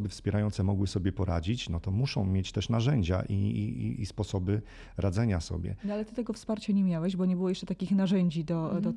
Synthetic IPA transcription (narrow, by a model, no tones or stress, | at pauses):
bɘfspʲjɛɾajɔnt̪sɛmɔɡwɘsɔbʲjɛpɔɾad͡ʑit͡ɕnɔt̪ɔmuʂɔ̃w̃mʲjet͡ɕt̪ɛʂnaʐɛɲd͡ʑa̰ʔḭspɔsɔbɘ | ɾad̪zɛɲasɔ̰bʲjɛ̰nɔalɛt̪ɘt̪ɛɡɔfspaɾt͡ɕaɲɛmʲjawɛʑbɔɲɛbɘwɔjɛʂt͡ʂɛt̪akʲixnaʐɛɲd͡ʑid̪ɔd̪ɔ